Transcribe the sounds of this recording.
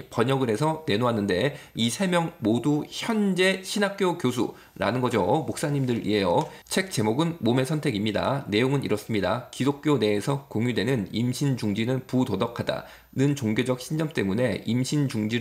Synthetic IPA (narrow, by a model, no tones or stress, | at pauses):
pʌɲʌɡɯɾe̞sʰʌne̞noɦanːɯnde̞isʰe̞mjʌŋmoduçjʌnd͡ʑe̞ɕʰinak̚k͈jokjos̬ʰṵ | ɾa̰nɯnɡʌd͡ʑomok̚s͈aɲimdɯɾʔḭɦe̞jʌ | t͡ɕʰe̞k̚t͡ɕ͈e̞moɡɯnmome̞sʰʌntʰe̞ɡimɲida̰ne̞joŋɯnḭɾʌs͈ɯmɲidakidok̚k͈jone̞ːsʰʌkoŋjudwe̞nɯnimɕʰint͡ɕuŋd͡ʑinɯnputodʌkʰada̰ | nɯnt͡ɕoŋɡjod͡ʑʌk̚ɕʰind͡ʑʌmt͈e̞mune̞imɕʰint͡ɕuŋd͡ʑi